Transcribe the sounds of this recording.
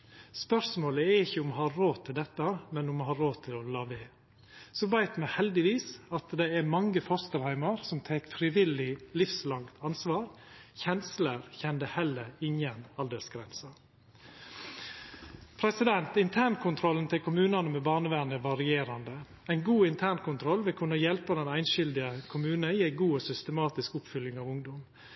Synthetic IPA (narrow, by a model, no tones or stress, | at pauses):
spœɾsmoːləɛɾɪçːəʊmhɑːɾoːt̪ʰɪld̪ɛt̪ːɑmɛnʊmhɑːɾoːt̪ʰɪlɔlɑːʋeː | sɔbæɪt̪mɛhɛld̪ɪʋiːsɑt̪d̪ɛɛɾmɑŋːəfɔɾst̪əɾhæɪmɑɾsɔmt̪ʰeːkfɾɪʋɪlɪlɪfslɑŋkt̪ʰɑnsʋɑːɾ | çɛnsləɾçɛnd̪əhɛlːəɾɪŋənɑld̪əsɡɾɛnsɑ | pʰɾɛsɪd̪ɛnt̪ɪnt̪ʰæːnkʰʊnt̪ʰɾɔlːnt̪ʰɛkʰʊmʉːnɑnəmɛbɑːɳəʋænəʋɑɾɪeːɾɑnd̪ə | æɪnɡuːɪnt̪ʰæːnkʰʊnt̪ʰɾɔlːʋɛkʰʉnɑjɛlpɑd̪ɛnæɪnʃʏld̪ɪəkʰʊmʉːnəɪæɪɡuːosʏst̪əmɑːt̪ɪskʊpfʏlːɪŋɑːʋʊŋd̪ɔm